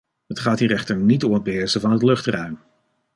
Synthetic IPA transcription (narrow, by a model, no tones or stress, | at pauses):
ɦətχaːtɦiɾɛχtəɹnitɔməbɪːɹzəvɑnɦətlɵχtrœɥm